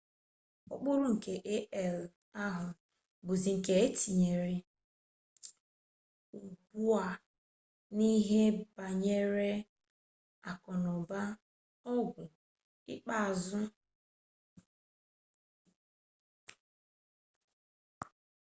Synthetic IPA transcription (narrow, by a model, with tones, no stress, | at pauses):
ʊ̰˦k͡pʊ˦lʊ˦ŋ̩˨ke˨ʔe˦ʔɛ˨l | a˦ɦʊ˨ | bʊ˨zi˨ŋ̩˨ke˨˦e˦ti˨ɲe˨ɾe˨ | u˨bu˦a˨ | ni˦ɦe˦ba˨ɲe˦ɾe˦ | a˨kɔ˨nʊ˨ba˦ | ɔ˦ɡʷʊ˨ | ɪ̰˦k͡pa˦˨zʊ˦